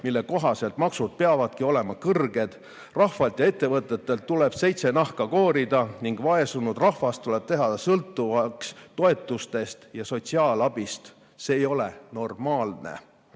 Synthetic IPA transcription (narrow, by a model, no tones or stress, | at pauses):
milːe̞ko̞ɦɑse̞lt̪mɑksud̪̥̚pe̞ɑvɑd̪̥kio̞le̞mɑkɤrɡ̥e̞d̪̥ | rɑhvɑlt̪jɑe̞t̪ːe̞vɤt̪ˑːe̞t̪ːe̞lt̪ːuleb̥se̞jt̪se̞nɑhkɑko̞ːɾid̪ɑniŋɡ̥vɑe̞sunud̪̥rɑhvɑst̪t̪ːule̞b̥t̪e̞ɦɑsɤlt̪ːˑuvɑkst̪o̞e̞t̪ːˑust̪e̞st̪jɑso̞t̪siɑːlɑb̥ist̪ | seːjo̞leno̞rmɑːlne̞̰